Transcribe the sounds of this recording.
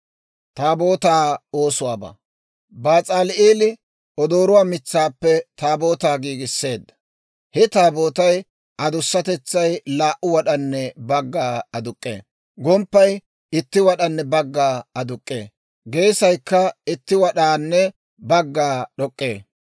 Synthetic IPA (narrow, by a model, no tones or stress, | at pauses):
t̪aːboːt̪aːoːsʊwaːbɐ̰ | baːt͡sʼaːlʔeːlɪ | ɔd̪o̞ːɾʊwaːmɪt͡sːaːpːɛt̪aːboːt̪aːɡiːɡɪsːe̞ːd̪ːɐ̥ | hɛt̪aːbo̞ːt̪ɐj | ʔɐd̪ʊsːɐt̪ɛt͡sːɐjlaːʔʊwɐɗɐnːɛbɐɡːaːɐd̪ʊkʼːḛː | ɡɔmpːɐj | ɪt̪ːɪwɐɗɐnːɛbɐɡːaːɐd̪ʊkʼːḛː | ɡejsɐjkːɐɪt̪ːɪwɐɗaːnːɛ | bɐɡːaːɗɔkʼːe̞ː